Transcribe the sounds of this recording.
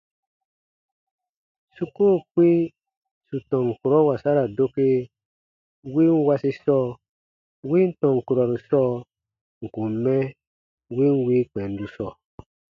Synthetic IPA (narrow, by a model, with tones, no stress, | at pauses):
su˦ko˦˨k͡pi˦ | su˨tɔ̃˨ŋ˨ku˨ɾɔ˦wa˨sa˦ɾa˨do˦ke˦ | wi˦n˦wa˦si˧sɔː˦˨ | wi˦n̩˦tɔ̃˨ŋ˨ku˨ɾɔ˨ɾu˨sɔː˦ | ŋ̩˨kũ˨m˨˦mɛ˦ | wi˦n˦wi˦k͡pɛ˨n˦du˨sɔ˦˨